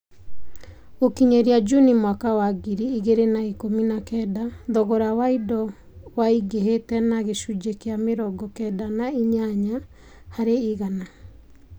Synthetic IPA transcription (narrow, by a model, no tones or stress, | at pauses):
okiɲeɾiad͡ʒunimwakawaɣiɾiiɣeɾenaikominakɛdaðɔɣɔɾawaidɔ | waiɡeɦetɛnaɣeʃud͡ʒekeameɾɔɡɔkɛdanaiɲaɲa | haɾeiɣana